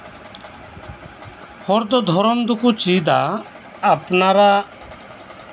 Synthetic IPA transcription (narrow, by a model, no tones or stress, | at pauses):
hɔɾd̪ɔd̪ʱɔɾɔmd̪ukut͡ʃid̪aː | pnaɾa